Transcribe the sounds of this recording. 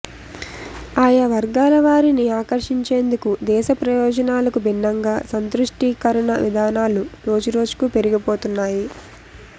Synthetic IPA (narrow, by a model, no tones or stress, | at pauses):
aːjɐʋɐɾɡaːlɐʋaːɾiniaːkɐɾʂiɲt͡ʃe̞ːnd̪ukud̪ɛːʃɐpɾɐjɔːd͡ʒɐnaːlɐkubinːɐŋɡaːsɐnt̪ɾuʂʈikɐɾɐɳɐʋid̪ʱaːnaːluɾo̞ːd͡ʒuɾo̞ːd͡ʒu̥kupeɾiɡipo̞ːt̪unːaːji